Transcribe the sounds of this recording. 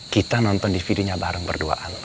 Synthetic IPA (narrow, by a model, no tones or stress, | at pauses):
kit̪anɔnt̪ɔndifidiɲabaɾaŋbə̰rdua̰ʔan